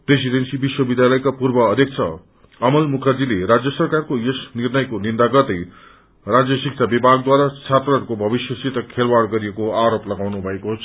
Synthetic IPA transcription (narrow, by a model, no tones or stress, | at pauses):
pesid̪ensibiswʌbid̪jalʌjkapurbʌːd̪ʱjek̚t͡sʰʌ̰ | ʌmʌlmukʰʌrd͡zilerad͡zjʌsʌrkarkojesnirnʌjkonind̪aɡʌrd̪ʌj | rad͡zjʌsik̚t͡sʰabibʱaɡ̚d̪waɾat͡sʰat̪rʌɾkobʱʌbisjʌsit̪ʌkʰelwaɽɡʌɾiekoaɾoplʌɡawnubʱʌekoɦt͡sʰ